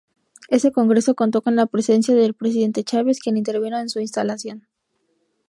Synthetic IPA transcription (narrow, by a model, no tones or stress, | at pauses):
e̞se̞ko̞ŋɡɾe̞so̞ko̞nt̪o̞ko̞nlapɾe̞se̞nsjaðe̞lpɾe̞s̬iðe̞nt̪e̞t͡ʃaβe̞skje̞nint̪e̞ɾβinoensuinst̪alasjo̞n